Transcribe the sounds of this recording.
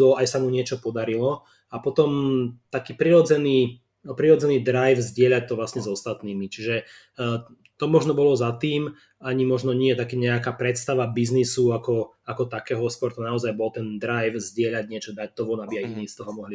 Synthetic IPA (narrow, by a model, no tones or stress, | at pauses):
ɔajsamuɲɪɛt͡ʃɔpɔd̪aɾilɔ | apɔt̪ɔmt̪akiːpɾiɾɔd͡zɛniː | pɾiɾɔd͡zɛniːd̪ɾajfzɟɪɛʎac̚t̪ɔʋlasɲɛzɔst̪at̪niːmit͡ʃiʒɛ | t̪ɔmɔʒnɔbɔlɔzat̪iːm | aɲimɔʒnɔɲɪɛt̪akiɲɛakaːpɾɛt̪st̪aʋabiznisuakɔ | akɔt̪akɛːɦɔskɔɾt̪ɔnaɔzajbɔlt̪ɛnd̪ɾajfzɟɪɛʎaɟɲɪɛt͡ʃɔd̪ac̚t̪ɔʋɔnabiajiniːst̪ɔɦɔmɔɦli